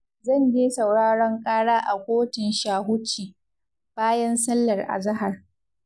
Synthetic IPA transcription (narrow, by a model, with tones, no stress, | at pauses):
zɐ˦˨nd͡ʒeː˦sɐ˨wɽaː˦ɽɐ˦ŋkʼaː˦ɽaː˦ʔa˨kʷoː˦tɪ˨nʃaː˨ɦʊ˦t͡ʃːiː˨ | b̥aː˦jɐ˦nsɐ˦lːɐ˨rʔa̰˨zɐ˦ɦa˨r